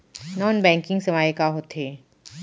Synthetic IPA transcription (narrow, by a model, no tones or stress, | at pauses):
nɔːnbɛ̃ːŋkɪ̃ŋɡsɐmaːjekaɦot̪ʰeː